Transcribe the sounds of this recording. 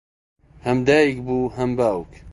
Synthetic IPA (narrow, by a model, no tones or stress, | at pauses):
hɐmd̪aːjikbuːɦɐmbaːwk